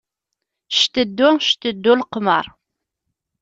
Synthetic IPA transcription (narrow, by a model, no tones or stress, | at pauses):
ʃt̪əd̪ːʊʃt̪əd̪ːʊlqmə̰ɾˤ